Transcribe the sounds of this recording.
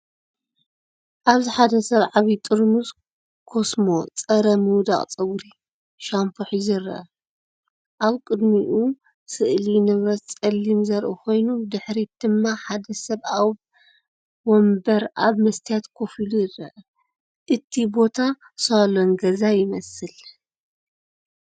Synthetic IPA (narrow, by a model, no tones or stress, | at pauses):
ʔaβziħad̪ɐsɐβʕaβit̪ʼɨɾmus | kʰo̞smo̞t͡sʼɐɾɐmɨwd̪a̰χʼt͡sʼɐwɾi | ʃampʰoħizɨrɐ̰ʔɐ | ʔaβkʼɨd̪miʔu | sɨʔlinɨβɾɐt̪t͡sʼɐlːimzɐɾʔukʰo̞jnud̪ɨħɾid̪̥ɨmːaħad̪ɐsɐβʔaβ | wombɐɾʔaβmɐst̪ʰijat̪kʰo̞filujɪrːɐ̰ʔɐ | ʔɨt̪ʰibo̞t̪ʰa | salonɡɐzajɪmɐsɨl